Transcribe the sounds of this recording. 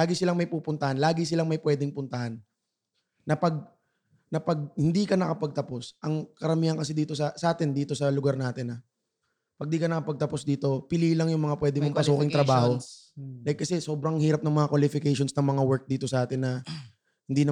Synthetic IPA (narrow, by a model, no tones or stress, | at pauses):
laːɡɪsɪlaŋmɐjpuːpʊnt̪ɐhanlaːɡɪsɪlaŋmɐjpwɛːd̪ɪŋpʊnt̪ɐhanː | ɐpɐɡ̚ | nɐpɐɡ̚hɪnd̪iːkɐnɐkɐpɐɡ̚t̪ɐpo̞sʔɐŋkɐɾɐmiːhɐnkɐs̬ɪd̪iːt̪o̞sɐsɐʔaːt̪ɪnd̪iːt̪o̞sɐlʊɡaɾnaːt̪ɪnːɐ | pɐɡ̚d̪iːkɐnɐkɐpɐɡ̚t̪ɐpo̞sd̪iːt̪o̞pɪliːlɐŋjʊŋmɐŋapwɛːd̪ɪmoŋpɐsuːkɪŋt̪ɾɐbaːho | d̪ɐjkɐsɛso̞ːbɾɐŋhiːɾɐp̚nɐŋmɐŋakwɐlɪfɪkejʃonsnɐŋmɐŋawɛɹk̚d̪iːt̪o̞sɐʔaːt̪ɪnːɐ | hɪnd̪iːn